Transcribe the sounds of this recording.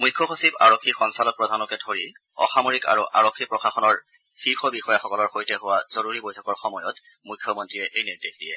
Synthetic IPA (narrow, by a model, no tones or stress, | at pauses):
mujkʰːɔxosiba̰ɹokʰːixɔnsalɔk̚pɹɔdʱanɔkɛtʰoɹi | ɔ̰xamoɹika̰ɹuʔa̰ɹɔkʰːipɹɔxaxɔnɔɹ | xiɹxɔbixɔjaxɔkɔlɔɹxojtɛɦʊwazoɹuɹibojtʰɔkɔɹxɔmɔjɔt | mujkʰːɔmɔntɹijɛʔejniɹdexdijɛ